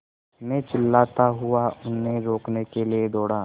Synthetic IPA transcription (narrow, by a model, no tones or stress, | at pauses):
mẽt͡ʃɪlːaːt̪aɦʊaʊnːeɾoːknekelied̪ɔːɽaː